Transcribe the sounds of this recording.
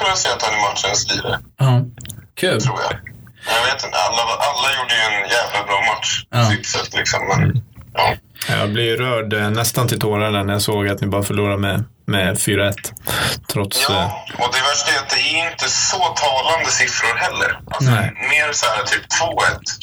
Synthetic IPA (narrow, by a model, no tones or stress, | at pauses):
fɔɾasɛːat̪hanɪmat̪ʂənst̪ḭːɾa̰ɑkʰʉ̟ːlt̪ʰɾuːɾja̰jaɡveːt̪ɪnt̪ə̰a̰lːaʔalːajuːɖəjɵɛnjæːvlabɾɑːmat̪ʂyt̪sɛt̪ːlɪksɔ̰mːɛnʔɑ̰ː | jɑ̰ːblɪjɾœːɖnɛst̪ant̪ʰɪlt̪ʰoːɾad̪æɳɛjasoːɡat̪nɪbɑːɾafœɭuːɾamɛ | mɛfyːɾaɛt̪ːt̪ʰɾɔt̪sɔd̪ɛvæʂʈɛat̪̚d̪ɛæɪnt̪əsɔt̪ʰɑːland̪əsɪfɾʊɾhɛlːə̰ɾalɔɛmeːɾsæːɾat̪ʰyːpt̪ʰvoːɛ̰t̪ː